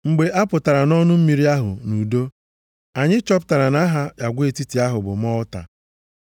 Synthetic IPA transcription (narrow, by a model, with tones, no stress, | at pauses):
ŋ͡m̩˨ɡ͡be˨ʔa˦pʊ˨ta˨ɾa˨nɔ˦nʊ˦m̩˦mi˨ɾi˦a˦ɦʊ̰˨nu˨do˦ | a˨ɲɪ˦t͡ʃɔ˦p̬ta˨ɾa˨na˦ɦa˦ja˨ɡʷe˦˨ti˦ti˨a˦ɦʊ˨bʊ˨m̩˦ɔ˦ʊ˦ta̰˨